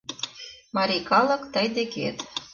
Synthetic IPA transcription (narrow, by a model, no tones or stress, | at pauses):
mɑɾʲikɑlɤ̆kt̪ɤjd̪ekḛt̪